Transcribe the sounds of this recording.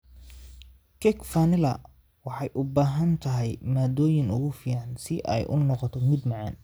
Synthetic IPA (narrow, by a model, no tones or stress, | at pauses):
kʰɛkfanɪlɐ | wɑħɑjʔʊbaːɦɐnt̪ʰɐɦɛjmaːd̪ɔːjɪnʊ̰ɣʊfiːʕɑnsɪʔɛ̰jʔʊ̰nɔqɔt̪ʰɔmɪd̪mɑʕɑ̰ːn